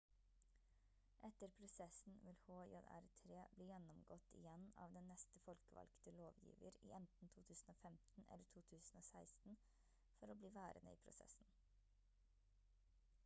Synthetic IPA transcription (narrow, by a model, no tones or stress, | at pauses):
ʔɛt̪əɾpʰɾʊsɛsn̩ʋɪlhoːjɔd̪æ̰ɾt̪ʰɾeːbliːjɛnɔmɡɔt̪ɪ̰jɛnɑ̰ːʋd̪ɛnnːɛst̪əfɔlkəʋɑ̰lkt̪əloːʋjḭːʋəɾḭːʔɛnt̪n̩t̪ʰuːt̪ʰʉːsn̩oːfɛmt̪n̩ʔɛ̰lːəʈʰuːt̪ʰʉːsn̩oːsæɪst̪n̩ | fɔɾoːbliːʋæːɾənə̰ḭːpʰɾʊ̰sɛ̰sn̩